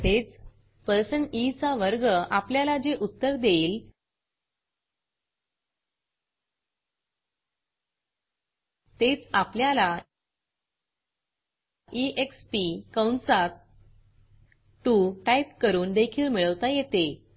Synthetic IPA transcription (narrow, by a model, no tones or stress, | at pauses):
et͡s | pəɾsənit͡saʋəɾɡəapljalad͡ʑeʔut̪ːəɾd̪eil | t̪et͡sapljala | ʔiʔekspikəwɳsat̪ | ʈuʈaipkəɾuːnd̪ekʰiːɭmiɭəʋt̪ajet̪e